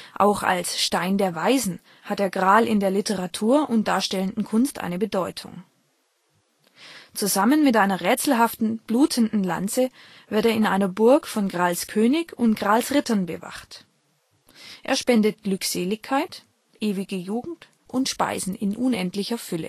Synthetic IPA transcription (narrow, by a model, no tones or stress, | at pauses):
ʔa̰ʊxa̰lsʃtaɪndeːɐvaɪzn̩ | hat̚d̥eːɐɡʁaːlɪndeːɐlɪtʰəʁatʰuːɐʔʊnt̚d̥aːɐʃtɛləndn̩kʰʊnstʔa̰ɪnəbədɔʏtʰʊ̰ŋ | t͡suzamənmɪtʔaɪnɐʁɛːt͡sl̩ɦaftn̩b̥luːtʰən̩dn̩la̰nt͡sə | vɪɐteːɐɪnʔaɪnɐbʊɐkfɔnɡʁaːlskʰøːnɪçʊntɡ̥ʁaːlsʁɪtɐnbəva̰χt | ʔḛːɐʃpɛndət̚ɡ̥lʏkz̥eːlɪçkʰaɪt | ʔeːvɪɡəjuːɡŋ̩t | ʔʊntʃpa̰ɪzn̩ɪnʔʊnʔɛntlɪçɐfʏlə̰